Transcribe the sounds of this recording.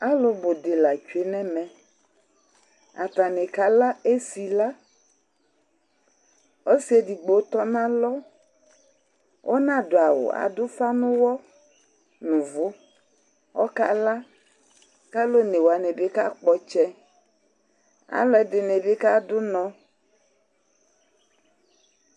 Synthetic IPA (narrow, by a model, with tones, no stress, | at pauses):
a˦lo˦bo˨de˨la˨t͡ʃu˨˦e˦nɛ̃˦mɛ̃˨ | a̰˨t̪a˨nɛ̃˨ka˦la˦e˦si˨la˦ | wo˦si˦e˦di˨ɡ͡bo˨˦t̪ɔ˦nã˦lɔ˦ | wʔo˦nã˦dʊ˨a˨wo̰˨a̰˨dʊ˦fa˦nũ˦wɔ˦ | nũ˨vʊ˦ | wɔ̰˦ka˦la˦ | ka˦lo˦nẽ˨wo˨a˨ne˨be˦ka˦k͡pɔ˦t͡ʃɛ˦ | a̰˨lɔ˦ɛ˦dɪ˨ne˨be˦ka˦dʊ˦nɔ̃˦